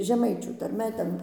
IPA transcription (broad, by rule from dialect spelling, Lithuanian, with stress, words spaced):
ʒʲɛˈmɐɪt͡ʃʲuː tɐrʲˈmʲɛ ˈtʲɛn